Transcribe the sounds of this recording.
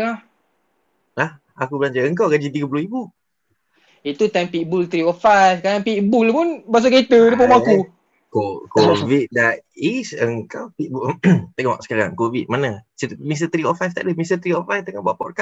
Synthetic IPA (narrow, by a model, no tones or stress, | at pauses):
lah | lah | akubəlaɲd͡ʒaəŋk̬awɡad͡ʒit̪iɡəp̬uluhibu | it̪ut̪ajmpiʔbult̪ɾiɔfajfkadaŋpiʔbulpunbas̬aket̪ədəpumãaku | kokovit̪̚dat̪̚isəŋkawpiʔ̚but̪əŋawa̰ʔsə̥kaɾa̰ŋkovit̪̚manəsəmis̬t̪ət̪ɾiɔfajft̪a̰ʔləmist̪ət̪ɾiɔfajft̪əŋabaʔpɔʔ̚ka